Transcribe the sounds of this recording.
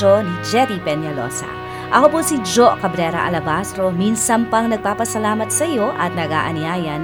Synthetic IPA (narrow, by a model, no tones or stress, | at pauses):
onid͡ʒeɾipenjalo̰sa̰ | ɐɦopusid͡ʒoʔkɐbɾeɾa̰ʔɐ̰lɐbasɾominsɐmpɐŋnɐk̚papɐsɐlamɐt̚sɐjoʔat̚nɐɡa̰ʔɐ̰niajan